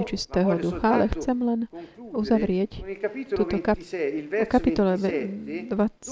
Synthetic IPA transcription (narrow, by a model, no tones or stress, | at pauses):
ɛt͡ʃist̪ɛːɦɔd̪uxaalɛxt͡sɛmlɛnuzaʋɾɪɛc̪uːt̪ɔkaɔkapit̪ɔlɛ | d̪ʋat͡s